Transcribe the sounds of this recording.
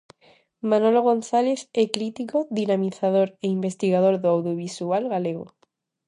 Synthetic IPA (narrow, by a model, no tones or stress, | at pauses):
mãnoloɣ̞õnθaleθekɾit̪ikoðinamiθað̞oɾeimbest̪iɣ̞að̞oɾðoawðjoβ̞isualɣaleɣo̰